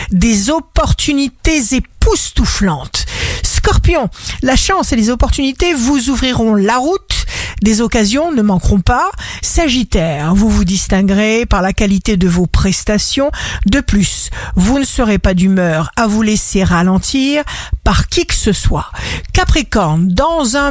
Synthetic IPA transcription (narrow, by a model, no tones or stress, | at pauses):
d̪ezɔpɔʁt̪ynit̪ezepust̪uflɑ̃t̪skɔʁpjɔ̃laʃɑ̃selezɔpɔʁt̪ynit̪evuzuvʁiʁɔ̃laʁut̪d̪ezɔkazjɔ̃nəmɑ̃kʁɔ̃pasaʒit̪ɛʁvuvud̪ist̪ɛ̃ɡʁepaʁlakalit̪ed̪əvopχɛst̪asjɔ̃d̪əplysvunəsəʁepad̪ymœːʁavuleseʁalɑ̃t̪ʰiːʁpaʁkʲikə̥səswa̰kapχekɔʁnd̪ɑ̃zɛ̃